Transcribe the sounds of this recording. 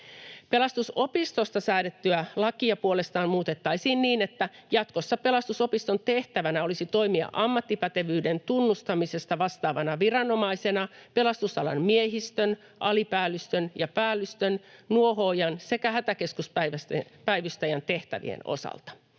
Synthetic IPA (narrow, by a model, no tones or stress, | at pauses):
pe̞lɑst̪uso̞pist̪ost̪ɑsæːɾet̪ːyælɑkiɑpuolest̪ɑːnmuːt̪et̪ːɑisiːnniːnet̪ːæjɑt̪kosːɑpe̞lɑst̪usopist̪o̞nt̪eht̪æʋænæo̞lisit̪o̞imiɑ̰ʔɑmːɑt̪ːipæt̪e̞ʋyːdent̪unːust̪ɑmise̞st̪ɑʋɑst̪ɑːʋɑnɑʋirɑno̞mɑise̞nɑpe̞lɑst̪usɑlɑ̰nmieɦist̪øn | ʔɑlipæːlːyst̪ønjɑpæːlːyst̪ønnuoɦoːjɑnse̞kæhæt̪æke̞skuspæʋæspæiʋyst̪æjænt̪eht̪æ̰ʋḭḛno̰sɑ̰lt̪ɑ̥